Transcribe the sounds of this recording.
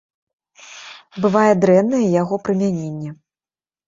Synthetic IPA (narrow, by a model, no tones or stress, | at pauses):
bɨvajɛd̪ɾɛnːɐjɛjaɣɔpɾɨmʲanʲenʲːɛ